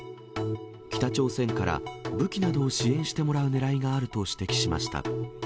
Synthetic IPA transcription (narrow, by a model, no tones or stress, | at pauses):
kʲi̥t̪at͡ɕo̞ːsẽ̞ŋkaɾa̰bɯ̟kʲinad̪o̞ːɕiẽ̞ɰ̃ɕi̥t̪e̞mo̞ɾaɯ̟ne̞ɾaiɡaːɾɯ̟t̪o̞ɕi̥t̪e̞kʲi̥ɕima̰ɕi̥t̪a̰